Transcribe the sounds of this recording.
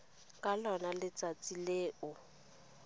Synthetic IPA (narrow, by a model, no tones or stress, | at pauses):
kʼalɔnalɪt͡sʼat͡sʼileːʔʊ